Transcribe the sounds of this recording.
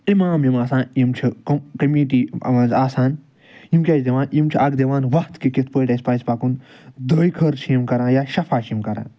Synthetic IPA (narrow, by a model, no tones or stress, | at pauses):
imaːmjimaːsãːnjimt͡ʃʰikkɐmiːʈ̬iːɐ̰ʋãːnzaːsaːn | jimkʲaːt͡ʃd̪eʋãːnjimt͡ʃʰiʔɐɡd̪eʋaːnʋɐht̪kikit̪ʰpəːjʈɐspaːspakun | d̪əːjkʰəɾt͡ʃʰjimkɐɾãːjaːʃɐfʰaːt͡ʃʰimkɐɾã̰ːn